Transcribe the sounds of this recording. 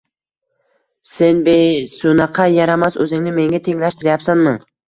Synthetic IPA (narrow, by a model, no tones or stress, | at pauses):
senbejsʊnɑqʰɑjɑɾamasɵzɪŋnɪme̞ŋɡʲat̪ʰeŋlaʃt̪ɪɾɪjapsanmɪ